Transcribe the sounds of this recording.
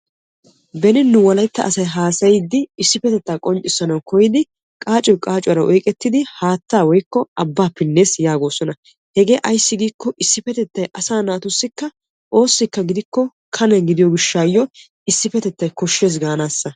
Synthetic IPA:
bɛnɪnːʊwɐlɐjt̪ːɐ̰ʔɐsɐjɦaːsɐjɪd̪ːɪɪsːɪfɛt̪ɛt̪ːaːkʼɔnt͡ʃʼːɪsːɐnɐwkɔjɪd̪ɪ | kʼaːt͡ʃʼɔjkʼaːt͡ʃʼʊwɐɾɐʔɔjkʼɛt̪ːɪd̪ɪhaːt̪ːaːwɔjkːɔɐbːaːpɪnːe̞ːsjaːɡo̞ːsɔnɐ | hɛɡe̞ːʔɐjsːɪɡiːkːɔʔɪsːɪfɛt̪ɛt̪ːɐjʔɐsaːnaːt̪ʊsːɪkːɐ | ʔo̞ːsːɪkːɐɡɪd̪ɪkːɔ | kʰɐnɐɡɪd̪ɪjɔɡɪʃːaːjːɔ | ɪsːɪfɛt̪ɛt̪ːɐjkɔʃːe̞ːs̬ɡaːnaːsːɐ

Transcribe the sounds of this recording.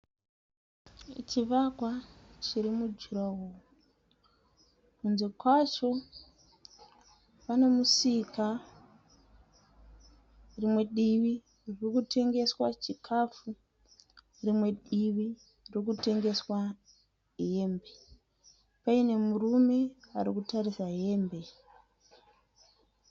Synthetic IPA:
t͡ʃiʋakwat͡ʃiɾimud͡ʒiɾawoːo | kunzekwat͡ʃo̞ | pane̞musika | rimwe̞ɗiʋi | rikutʰe̞ŋɡe̞swat͡ʃikʰafu | rimwe̞ɗiʋi | rokute̞ŋɡe̞swa | ɦe̞ːmbe | paine̞murume̞aɾikutarisaɦe̞ːmbe̞

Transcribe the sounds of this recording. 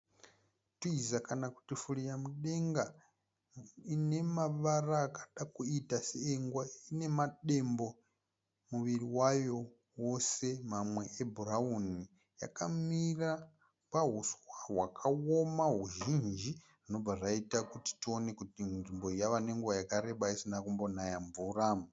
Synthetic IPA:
tuizakanaku̥tifuɺijamuɗeŋɡa | ine̞maʋaraːkḁɗakuitasieŋɡwaine̞maɗembo | muʋiɾiwajo | wosemamwe̞ʔebʱurauni | ja̰kamira | paɦuswaɦwakʰaomaɦuʒind͡ʒi | rino̞bb͡vaʐaitakuti̥tio̞ne̞kutinʐimbo̞jaʋane̞ŋɡuʋajakaɾe̞ɓaisinakumbo̞najaɱvuraːm

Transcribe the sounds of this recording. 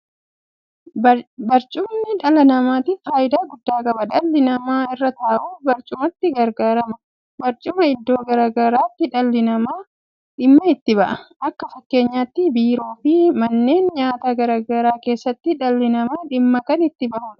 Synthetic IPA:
bɐɾt͡ʃʼʊmnɪᶑɐlɐnɐmaːt̪ɪfaːjɪd̪aːɡʊd̪ːaːkʼɐbɐᶑɐlːɪnɐmaːɪrːɐt̪aːʔuːbɐɾt͡ʃʼʊmɐt̪ːɪɡɐɾɡaːɾɐmɐ | bɐɾt͡ʃʼʊmɐɪd̪ːo̞ːɡɐɾaːɡɐɾaːt̪ːɪᶑɐlːɪnɐmaː | ᶑɪmːɐɪt̪ːɪbɐʔɐʔɐkːɐfɐkːe̞ːɲːaːt̪ːɪbiːɾo̞ːfimɐnːe̞ːnɲaːt̪aːɡɐɾaːɡɐɾaːke̞ːsːɐt̪ːɪᶑɐlːɪnɐmaːᶑɪmːɐkɐnɪt̪ːɪbɐʔuːᶑɐ̥

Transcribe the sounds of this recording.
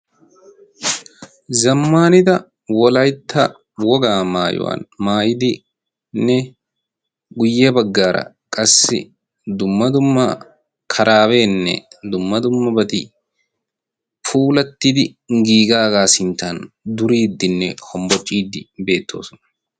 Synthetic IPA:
zɐmːaːnɪd̪ɐ | wɔlɐjt̪ːɐ | wɔɡaːmaːjʊ̰wa̰ːnmaːjɪd̪ɪ | nːɛ | ɡʊjːɛbɐɡːaːɾɐ̰ | kʼɐsːɪ̰ | d̪ʊmːɐd̪ʊmːɐ | kʰɐɾʔaːweːnːɛ̰d̪ʊmːɐd̪ʊmːɐbɐt̪i | pʰuːlɐt̪ːid̪ɪ | ŋɡiːɡaːɡaːsɪnt̪an | d̪ʊɾiːd̪ːɪnːɛhɔmbɔt͡ʃʼːiːd̪ːɪbe̞ːt̪ʰːo̞̰ːsɔnɐ

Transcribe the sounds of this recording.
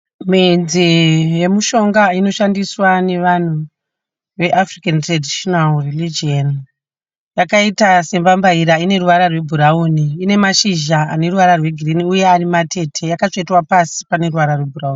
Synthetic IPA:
mind͡zije̞muʃo̞ŋɡaino̞ʃandiswane̞ʋan̤u | ʋe̞ʔafrikantradʱiʃonalrilid͡ʒon | jakaitase̞mbambaiɾaine̞ruʋaɾarwebʱuɾauːniːne̞maʃiʒaane̞ruʋaɾarwe̞ɡʱiriniuje̞aɾimatʰe̞tʰe̞jakat͡ʃt͡ʂetwapasi̥pane̞ruʋaɾarwe̞bʱurauːni

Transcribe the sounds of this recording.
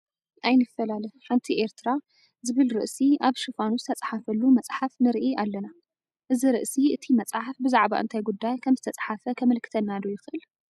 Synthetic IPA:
ʔajnɨfːɐlalɐħɨnt̪ʰiʔe̞ɾt̪ʰɨɾa | zɨβɨlɾɨʔsiaβʃɨfanuzɨt̪ʰɐt͡sʼħafɐlːumɐt͡sʼħafnɨɾiʔialːɐna | ʔɨziɾɨʔsiʔɨt̪ʰimɐt͡sʼħafbɨzaʕba̰ʔɨ̰nt̪ʰajɡud̪ːajkʰɐmzɨt̪ʰɐt͡sʼħafɐkʰɐmɨlkʰɨ̥t̪ʰɐnːad̪ojɪxʔɨl

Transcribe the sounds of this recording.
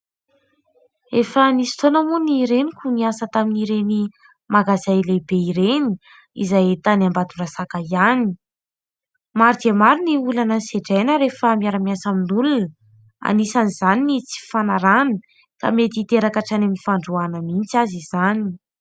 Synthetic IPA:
efənisi̥t̪onəmuniɾenikʲuniasət̪aminiɾeni | maɡazajlebeiɾeni | izajt̪anambad̪urasakaiani̥ | maɾd̪emaɾiniulanəseʈ͡ʂajnəɾefəmiaɾamiasaminulunə | a̰nisanizaninit͡si̥fanaɾani | ka̰met̪it̪eɾakaʈ͡ʂanaminifaɳɖ͡ʐuanəmint͡sazizani̥

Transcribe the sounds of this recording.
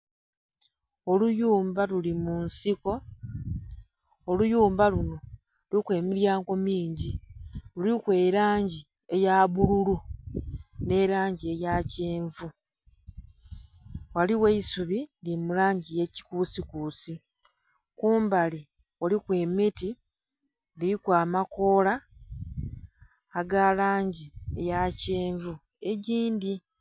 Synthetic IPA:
o̞lujuːmbalulimunsiko̞ | olujuːmbaluno̞ | ulikwe̞ːmiɾjaːŋɡo̞miːɲɟilulikwe̞ːɾaːɲɟi | e̞jaβululu | ne̞ɾaːɲɟie̞jaceːɱvu | waliweisuβinimulaːɲɟije̞ci̥kuːsikuːsi | kuːmbali | wolikwe̞miti | liikwaːmako̞ːla | ɡalaːɲɟie̞̰jaceːɱvu | e̞ɟiːndi

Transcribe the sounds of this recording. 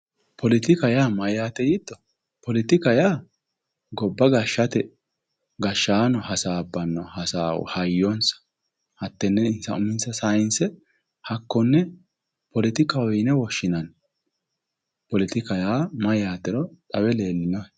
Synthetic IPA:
pʰɔlɪt̪ɪkɐjaːmɐjaːt̪ɛjɪd̪ːɔ | pɔlɪt̪ɪkɐjaː | ɡɔbːɐɡɐʃːɐt̪ɛ | ɡɐʃːaːnɔhɐsaːbːɐnːɔhɐsa̰ːhɐjːonsɐ̥ | hɐt̪ːɛnːɛɪnsɐ̰ʊmɪnsɐsajɪnsɛ | hɐkːɔnːɛ | pɔlɪt̪ɪkɐwɔjnɛwɔʃːɪnɐn | pɔlɪt̪ɪkɐjaːmɐjaːt̪ɛɾɔt̪ʼɐwɛle̞ːlːɪnɔ

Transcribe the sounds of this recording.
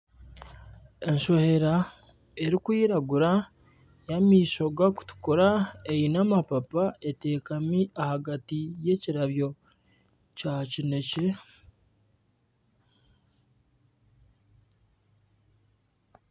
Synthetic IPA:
e̞ɲʃo̞he̞ɾa | e̞ɾikwiːɾaɡuɾa | jamiːso̞ɡaku̥tu̥koɾaejinamapapaete̞ːkamiahaɡatije̞ciɾaβjo̞ | cacine̞ce̞

